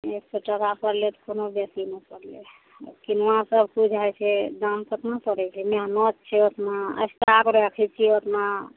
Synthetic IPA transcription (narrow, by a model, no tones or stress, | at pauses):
ekseʈəkapəɾlet̪ɔ̥konobjɛsinəpəɾle | kinɔɦãsəbʱkud͡ʒʱajt͡ʃʰɛd̪ampət̪napəɾɛt͡ʃʰɛmeanɔt̪̚t͡ʃʰɛot̪naə̰st̪akɾəɦɛkʰɛt͡ʃʰiot̪na